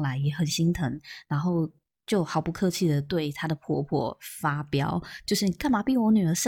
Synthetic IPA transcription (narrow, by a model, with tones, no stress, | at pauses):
ŋla˧˥ɪjɛ˨˧˥xə˨˩nɕi˥ŋt̪ʰə˧˥ŋɻa˧˥nxo˥˩ʊ | t͡ɕjo˥˩ʊxɑ˨˧˥ʊpu˧˥kʰɤ˥˧t͡ɕʰi˥˩d̪ə˩t̪we˥˩ɪt̪ʰa˥d̪ə˨pʰwɔ̰˥˧pʰwɔ̰˥˩fa˥pjɑ˥ʊt͡ɕjo˥˧ʊʂɻ̩˥˩ka˥˩nma˨˩pi˥˩ŋwɔ˧˥ny˨˩ə˞˧˥ʂə˥